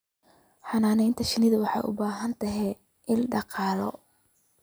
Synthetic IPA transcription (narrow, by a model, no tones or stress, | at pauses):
ħɑnaːnɛjnt̪ʰɐʃɪnɪðɐwɑħɑ̰jʔʊ̰baːɦɐnt̪ʰɐɦɛ | ʔɪlɖɑqɑːlɔ̰